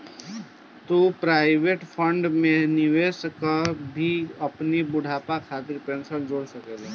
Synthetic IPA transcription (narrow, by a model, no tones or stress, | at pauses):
t̪opɾaːɪʋeːʈfʰə̃ɳɖmẽnɪʋeːskəbʱiɐpnibʊɽ̤ʱaːpakʰaːt̪ɪɾpɾẽːnsənd͡ʒoːɽsɐkeːle